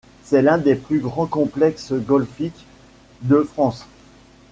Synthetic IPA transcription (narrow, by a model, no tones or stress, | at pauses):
sɛlɛ̃d̪eplyɡʁɑ̃kɔ̃plɛksɡɔlfik | d̪əfχɑ̃s